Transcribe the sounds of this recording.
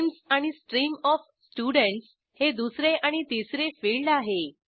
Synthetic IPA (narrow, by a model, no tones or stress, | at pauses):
msaɽ̃isʈɾiːmɔf | sʈjuɽəɳʈs | hed̪usɾeʔaɽ̃it̪isɾefiɭɖaɦe